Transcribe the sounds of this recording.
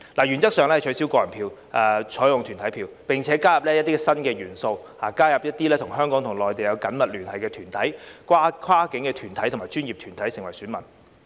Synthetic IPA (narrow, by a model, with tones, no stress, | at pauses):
laː˨˩jyː˨˩nt͡sɐ˥k̚sœː˨˧ŋlɛ˥ɐ˨jt͡ʃʰɵ˨˧˥si˨˥wkɔː˧jɐ˨˩npʰiː˧wʔt͡ʃʰɔː˨˥jʊ˨ŋt̪ʰyː˨˩nt̪ʰɐ˨˥jpʰiː˧wpɪ˨ŋt͡sʰɛː˨˥kaː˥jɐ˨p̚lɛː˥jɐ˥t̪i˥kɛ˧sɐ˥nkɛː˧jyː˨˩nso˧whaː˨˩kaː˥jɐ˨p̚jɐ˥t̚t̪iː˥lɛː˥t̪ʰʊ˨˩ŋɦœː˥ŋkɔː˨˥ŋt̪ʰʊ˨˩ŋlɔː˨jt̪e˨jɐ˨˧wkɐ˨˥nmɐ˨t̚lyː˨˩nhɐ˨˩jkɛː˧t̪ʰyː˨˩nt̪ʰɐ˨˥jkʰwaː˥kʰaː˥kɪ˨˥ŋkɛː˧t̪ʰyː˨˩nt̪ʰɐ˨˥jt̪ʊ˨˩maː˨˩t͡ʃyː˥njiː˨p̚t̪ʰyː˨˩nt̪ʰɐ˨˥jsɪ˨˩ŋwɐ˨˩jsyː˨˥nmɐ˨˩n